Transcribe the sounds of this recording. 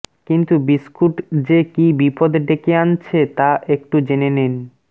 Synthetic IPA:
kint̪ubiskʰuʈd͡ʑekibipod̪ɖekeant͡ɕʰet̪aʔek̚ʈud͡ʑenenen

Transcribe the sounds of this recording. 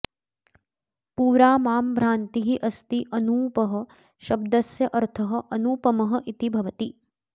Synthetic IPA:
puːɾaːmaːmbʱɾaːnt̪iɦiʔɐst̪iʔɐnuːpɐɦɐ̆ | ʃɐb̚d̪ɐsjɐʔɐɾt̪ʰɐɦɐ̆ʔɐnuːpɐmɐɦɐ̆ʔit̪ibʱɐʋɐt̪i

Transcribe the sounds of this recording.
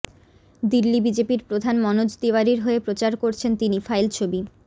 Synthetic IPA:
d̪ilːibid͡ʑepiɾpɾod̪ʱanmɔnod͡ʑd̪iwaɾiɾɦoepɾot͡ɕaɾkoɾt͡ɕʰent̪inifʰajlt͡ɕʰobi

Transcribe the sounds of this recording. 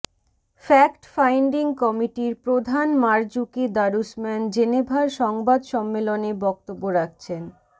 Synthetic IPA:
fɛkʈfajɳɖiŋkɔmiʈiɾpɾod̪ʱanmaɾd͡ʑukid̪aɾusmɛnd͡ʑenebʱaɾʃɔŋbad̪ʃɔmːelonebɔk̚t̪obːoɾak̚t͡ɕʰen

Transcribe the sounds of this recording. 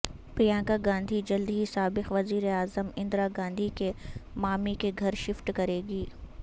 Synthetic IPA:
pɾijãːŋɡaɡãːnd̪ʱid͡ʒɐld̪iisaːbɪxʋɐziːɾeaːzəmɪ̃nd̪ɾaɡãːnd̪ʱikemaːmikeɡʱɐɾʃɪfʈkɐɾeːɡiː

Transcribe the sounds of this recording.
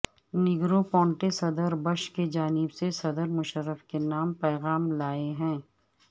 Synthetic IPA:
nɪɡɾopɔ̃ːɳʈesɐd̪əɾbɐʃked͡ʒaːnɪbsesɐd̪əɾmʊʃəɾːəfkenaːmpɛːɣaːmlaːeɦɛ̃ː

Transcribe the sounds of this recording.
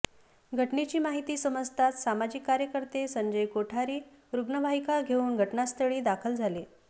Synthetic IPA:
ɡʱəʈnet͡ɕiːmaɦit̪iːsəməd͡zt̪ʰat̪samad͡ʑikːaɾjəkəɾt̪esəɲd͡ʑəjkoʈʰaɾiː | ɾuɡnəʋʱaɦikaɡʱeuːnɡʱəʈnast̪əɭiːd̪akʰəld͡zʱale

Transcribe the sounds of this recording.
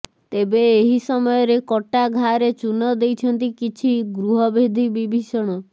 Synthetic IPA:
t̪ebeːɦisɔmɔjɔɾekɔʈaɡʱaɾet͡ʃunɔd̪ejt͡ʃʰɔnt̪ikit͡ʃʰiɡɾuɦɔbʱed̪ʱibibʱisɔɽ̃ɔ

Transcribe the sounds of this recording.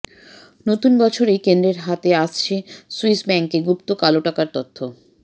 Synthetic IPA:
not̪unbɔt͡ɕʰoɾekend̪ɾeɾɦat̪eaʃt͡ɕʰesuisbɛŋkeɡupt̪okaloʈakaɾt̪ot̪ʰːo

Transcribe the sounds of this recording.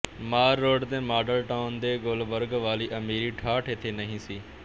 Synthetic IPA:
maːɾːoːɖt̪eːmaːɖəɾʈaːʊnd̪eːɡoːlʋəɾɡʋaːliːʔɐmiːɾiʈʰaːʈʰet̪ʰeːnɐɦĩːsiː

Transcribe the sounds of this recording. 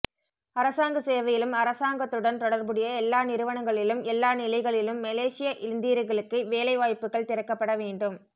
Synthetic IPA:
ɐɾɐsaːŋɡɐseːʋɐjɪlɯmɐɾɐsaːŋɡɐt̪ːɯɽɐnt̪ɔɽɐɾbɯɽɪjɐɛlːaːnɪɾɯʋɐɳɐŋɡɐɭɪlɯmɛlːaːnɪlɐɪɣɐɭɪlɯmːɐleːsɪjɐʔɪlɪnd̪iːɾɯɣɐɭɯkːɯʋeːlɐɪʋaːjpːɯɣɐɭt̪ɪɾɐkːɐpːɐɽɐʋeːɳɖɯm

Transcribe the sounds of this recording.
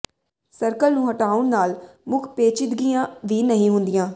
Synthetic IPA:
səɾkəlnũːɦəʈaːʊɳnaːlmʊkʰpeːt͡ʃɪd̪ɡijãːʋiːnəɦĩɦʊnd̪ɪjãː

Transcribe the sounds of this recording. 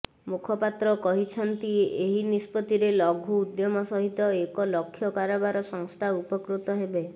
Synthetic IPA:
mukʰɔpat̪ɾɔkɔɦit͡ʃʰɔnt̪ieɦinispɔt̪iɾelɔɡʱuːd̪jɔmɔsɔɦit̪ɔekɔlɔkʰːjɔkaɾɔbaɾɔsɔŋst̪ʰaupɔkɾut̪ɔɦebe

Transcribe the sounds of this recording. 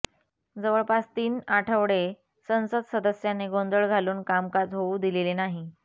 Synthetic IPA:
d͡zəʋəɭpast̪iːnaʈʰəʋɽe | sə̃nsəd̪səd̪əsjaneɡond̪əɭɡʱaluːnkamkad͡zɦouːd̪ilelenaɦi

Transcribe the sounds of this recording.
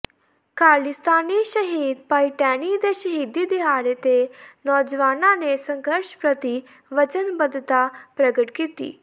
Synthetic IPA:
kaːlist̪aːniʃəɦiːd̪paiʈɛːnid̪eʃəɦiːd̪id̪iɦaːɽet̪enɔːd͡ʒʋaːnanesə̃ŋɡʱəɾʃpɾət̪i | ʋət͡ʃənbəd̪t̪apɾəɡəʈkiːt̪ḭː

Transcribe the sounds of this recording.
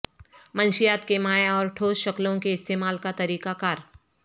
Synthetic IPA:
mɐ̃nʃijaːt̪kemaːeɔːɾʈʰoːsʃɐklõkeɪst̪eːmaːlkat̪ɐɾiːkakaːɾ

